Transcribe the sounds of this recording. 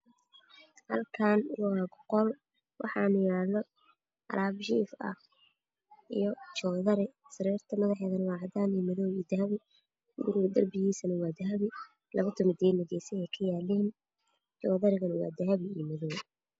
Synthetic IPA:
hɐlkʰaːnwwaːɡɔqɔl | wʔɑ̰ħɑːnʊjaːlːɔ | ʔɐ̰ɾʔaːbʃḭːfɐ̰ | ʔijɞt͡ʃɔːðɐɾɪsɐɾɛːrt̪ʰɐmɐðɑħɛːðɐnɐwɑːʕɑd̪aːniːmɐðɔːwid̪ɐɦɐβɪ | ʊɡʊɾʊɡd̪ɐrbɪɣiːsɐnɐwɑːd̪ɐɦɐβɪ | lɐβɐt̪ʰɔmɪt̪ʰɛːd̪nɐɣɛjsɛɛjkʰɐjaːlɛːn | t͡ʃɔːðɐɾɪɣɐnɐwɑ̰ːd̪ɐɦɐβɪimɐðɔːw

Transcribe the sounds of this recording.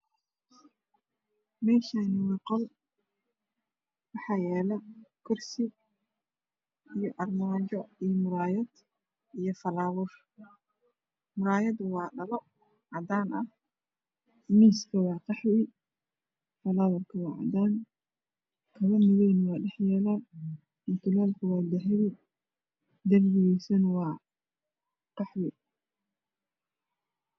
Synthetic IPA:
mɛːʃaːnɪwɛqɔl | wɑħɑːjɛːlɐkʰʊrsɪɡ̚ | ijɔʔɐrmɔd͡ʒɔijmʊɾaːjɐd̪ | ijɔfɐlaːwʊr | mʊɾaːjɐd̪ʊwɑːɖɐlɔ | ʕɑd̪aːnɐh | miːskʰɐwɑːqɑħwɪ | fɐlaːwɐrkʰɐwɑːʕɑ̰d̪aːn | kʰɐβɐmɪɣɛːnwɑːɖɛħjɛːlaː | ɪnt̪ʰʊlaːlkʰɐwɑːd̪ɐɦɪwɪ | d̪ɐrɡɪjɛsɐnwɑː | qɑħwɪ

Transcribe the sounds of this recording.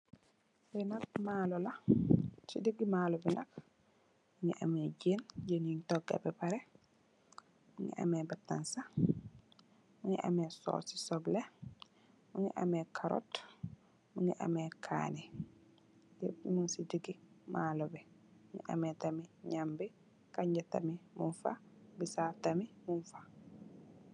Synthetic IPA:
sɛnakmaːlɔla | sidiɡimaːlɔbɛnak | muɲɛʔa̰mɛd͡ʒend͡ʒenintɔɡa̰bɛpaɾɛ | muŋɛ̰ʔa̰mɛbatːansa | muɲɛʔa̰mɛsɔ̰si̥sɔblɛ | muɲɛ̰ʔa̰mɛkʰaɾɔ̰t | muɲɛʔa̰mɛkʰa̰nɛ | dɛmunsidiɡimaːlɔbɛmuɲɛ̰ʔa̰mɛtamiɲambɛ | kaɲd͡ʒata̰mimunfa̰bisaftamimunfḁ

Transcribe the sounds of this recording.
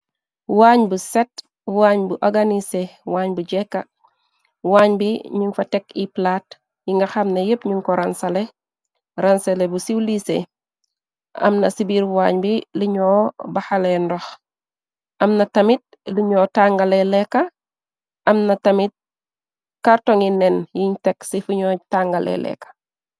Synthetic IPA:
waːɲbuset̚ | waːɲbuʔaɡanisewaːɲbuɟekːa | waːɲbiɲiŋfatekiplaːt | jiŋɡaxamnɐjepɲiŋkɔɾansale | ɾanselebusiwlise | ɐ̰mnɐsibiɾwaːɲbiliɲoːbaxalendɔx | ʔɐmnɐtɐmit̚liɲoːtaŋɡaleleka | ʔɐmnɐtɐmit̚ | kaɾtoŋinːenjiɲteksifuɲɔtaŋɡalḛlɛ̰kḁ

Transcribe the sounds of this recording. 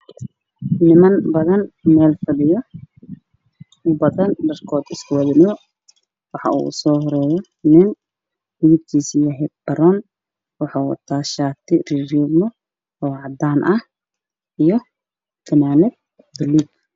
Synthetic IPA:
nɪmɐnbɐðɐnmɛːlfɐlɪjɔ | ʊbɐðɐndɐrkʰɔːd̪ɪskʰʊwɐðɪnɔ | wɑħɑ̰ʔṵʊsɔːɦɔɾɛːjɔ | nɪn | hɪɪb̚k̪ʰiːsijɐɦɛd̪̚b̥ɐɾɔn | wɑħaːwɐ̰t̪ʰaːʃaːkt̪ʰɪrirɔmɔ | ɔːʕɑd̪aːnʔɐh | ʔijɔ | kʰɐnaːnɛd̪̚ | d̪ɪluːɡ

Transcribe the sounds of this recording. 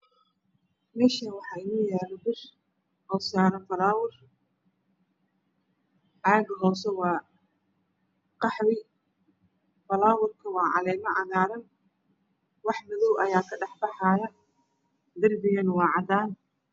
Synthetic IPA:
mɛːʃɐwɑħɑːɪnʊjɛːlɐbɪr | hɔːsaːnɐfɐlaːwʊr | ʕaːɡɐɦɔːwsɛwɑː | qɑħbɪ | fɐlaːwʊrkʰɐwɑːʕɑ̰lɛːmɐʕɑɣaːɾɐn | wɑħmʊðɔwʔɐjaːkʰɐɖɑħbɑħɑːjɐ | d̪ɐrbɪɣɐnwɑːʕɑd̪aːn

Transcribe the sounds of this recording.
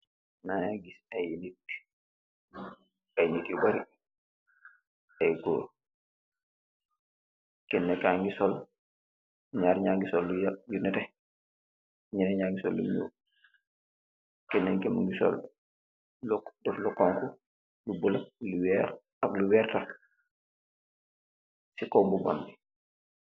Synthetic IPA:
nanaɡisɐjnitː | ajnitjubaɾi | ɐjɡɔ | kɛnːɛkaŋɡisɔl | ɲaːɾɲaːŋɡisɔlːujajunɛtɛ | ɲinɛɲaːŋɡisɔlːṵmṵː | kɛnːɛkɛmuŋɡisɔ̰l | ldɔflɔkːɔŋku | lubulaluwɛːɾ | ɐkluwɛːrtaf | sikɔmbubɔndi

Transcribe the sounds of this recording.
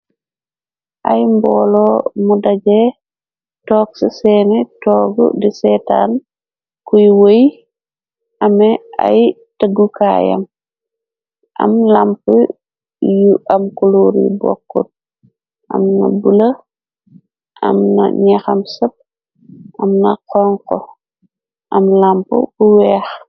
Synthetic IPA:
ʔajmbɔːlɔmudaɟɛ | tɔːksisɛːnɛtɔːɡṵdisɛta̰ːn | kujwoj | ʔɐmɛa̰j | taɡuka̰jɐ̰m | ʔɐ̰mlampu | juɐmkuluːɾjṵbɔ̰kːṵt̚ | ʔɐ̰mnɐ̰bulɐ | ʔɐ̰mnɐ̰ɲɛxɐmsɐp̚ | ʔɐmnɐqɔŋkɔ | ʔɐmlampṵbuwɛːx

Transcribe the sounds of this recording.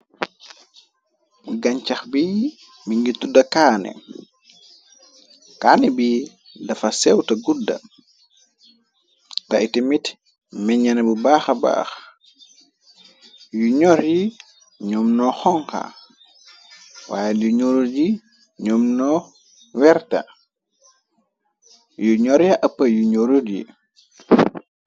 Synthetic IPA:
ɡaɲt͡ʃaxbi | miŋɡitudɐkaːnɛ̰ | kaːnɛbi | dɐfasɛwtɐɡuda̰ | taʔitimit | mɛɲanɛbubaːxaba̰ːx | juɲɔɾji | ɲɔːmnɔxɔŋka̰ | wa̰ːjeluɲoɾuɟi | ɲɔːmnɔ | wɛrtɐ̰ | juɲɔɾjaʔɐpːɐjuɲoɾuɟḭ

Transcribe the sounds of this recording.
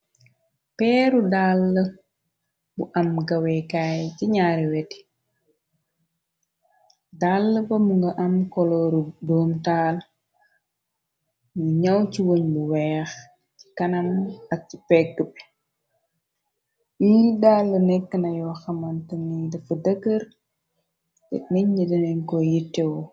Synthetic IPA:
pɛːɾudaːlːə | buʔɐmɡɐwɛkaːjciɲaːɾiwɛti̥ | dalːəbɐmuŋɡɐʔɐmkɔlɔdɔːmtaːl | niɲɐwciwoɲbuwɛːx | ci̥kɐnɐmɐk̚cipɛɡːəpɛ | idaːlːənɛkːənɐjɔːxɐmɐntənidɐfudəɡəɾ | tɛ̰k̚mɛɲɲidɐnɛɲkɔjitːɛwɔ

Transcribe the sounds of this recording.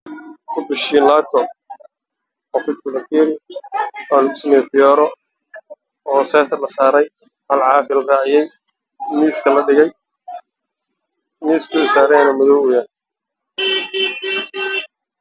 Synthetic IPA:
kʰʊbɪʃiːnlaːt̪ʰɔ | ɔkʊt̪̚kʰʊlɐkiːɾɪ | aːnʊsnɛdɪjɔɾɔ | ɔːsɛːsɐlɐsaːɾɛj | hɐlʕɑːfɪlraːʕɪjɛj | niːskʰɐlɐɖɪɣɛj | niːskʊɪsaːɾɛnɐmʊðɔwʊjan

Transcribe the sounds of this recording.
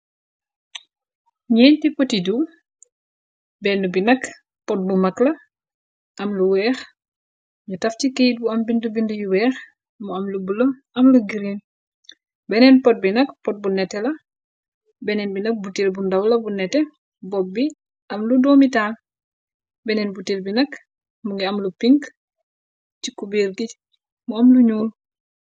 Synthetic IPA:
ɲɛːntipotidu | bɛndubinɐk | pɔt̚bumɐklɐ | ʔɐmluwɛːx | ɲutɐftikejt̚buɐmbindubindujuwɛːx | muɐmlubulɐm | ɐmluɡiɾin | bɛnɛnpɔt̚binɐkpɔt̚bunɛtːɛlɐ | bɛnɛnbinɐk̚butelbundɐwlɐbunɛtɛ | bɔb̚bi | ʔɐmludoːmitaːl | bɛnɛnbutelbinɐk | muŋɡiɐmlupiŋɡ | cikubeːɾɡi | muɐmluɲuːl

